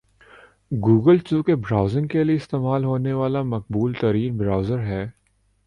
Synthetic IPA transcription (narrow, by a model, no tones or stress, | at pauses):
ɡuːɡəlt͡ʃuːkebɾaːʊzɪ̃ŋɡkelieɪst̪eːmaːlɦoːneʋaːlamɐq̚buːlt̪ɐɾiːnbɾaːʊzəɾɦɛː